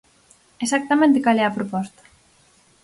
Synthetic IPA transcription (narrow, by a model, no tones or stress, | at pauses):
esak̚t̪amẽnt̪ekalɛɐpɾopɔst̪ɐ̥